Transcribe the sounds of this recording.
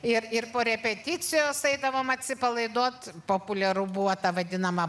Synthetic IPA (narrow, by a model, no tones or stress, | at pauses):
ɪrɪrpoːɾʲɛpʲɛt̪ʲɪt͡sʲɪjoːsɛɪd̪ɐʋoːmɐt̪ʲsʲɪpɐlˠɐɪd̪oːt̪poːpʊlʲɛɾubuːʋɐt̪ɐʋɐd̪ʲɪnɐmɐ